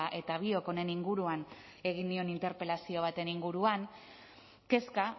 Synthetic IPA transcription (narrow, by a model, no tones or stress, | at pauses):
ʔe̞t̪aβ̞io̞ko̞ne̞niŋɡuɾuan | e̞ɣind̪io̞nint̪e̞ɾpe̞lasio̞β̞at̪e̞niŋɡuɾuaŋ | ke̞ska